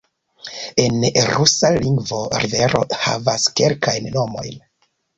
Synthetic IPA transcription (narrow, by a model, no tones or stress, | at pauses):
e̞nɾusaliŋɡvo̞ɾive̞ɾo̞̰ha̰vaske̞̰lkajnːo̞mo̞̰jn